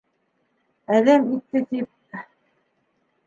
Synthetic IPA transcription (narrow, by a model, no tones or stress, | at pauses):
æðæmit̪ːɘt̪ip̚